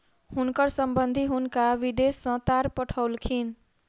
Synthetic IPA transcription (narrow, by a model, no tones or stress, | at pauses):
hunkʌɾsʌmbʌnd̪ʱiɦunkaʋid̪esːʌ̃t̪aɾpʌʈʰʌwlkʰin